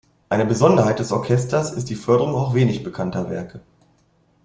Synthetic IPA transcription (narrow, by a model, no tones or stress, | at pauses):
ʔaɪnəbəzɔndɐɦaɪt̚d̥ɛsʔɔɐkʰɛstɐsɪstd̥iːfœɐdəʁʊŋaʊxv̥eːnɪçb̥əkʰantɐvɛ̰ɐkʰə